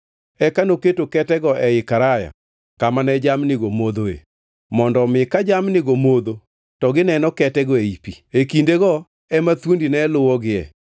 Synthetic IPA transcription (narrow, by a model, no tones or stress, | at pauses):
ɛkanoketokɛtɛɡɔʔɛɪkaɾaja̰ | kamanɛd͡ʒamnɪɡomod̪oḛ | mɔndɔmɪkad͡ʒamnɪɡomod̪o | tɔɡɪnɛnɔkɛtɛɡɔeipḭekindeɡɔ | ɛmat̪wondinɛlʊwɔɡɪɛ̰